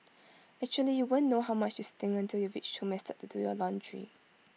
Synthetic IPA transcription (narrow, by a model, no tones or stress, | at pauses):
ɛk̚t͡ʃuəlijuwõnːoɦaʊmat͡ʃjustɪ̃ŋə̃ntʰiljɔvit͡ʃtʰɔmɛstɛt̚tudṵjɔlɔ̃ndɹḭ